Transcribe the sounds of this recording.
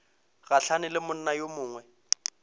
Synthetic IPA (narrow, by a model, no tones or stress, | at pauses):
ɣaɬanɪlɪmʊn̩najomʊːŋwɛ